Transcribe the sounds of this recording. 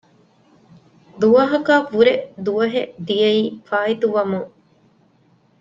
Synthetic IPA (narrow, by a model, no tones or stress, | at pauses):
d̪uʋɐɦɐkaːfuɾed̪uʋɐɦed̪ijɐiːfaːɦit̪uʋɐmuŋ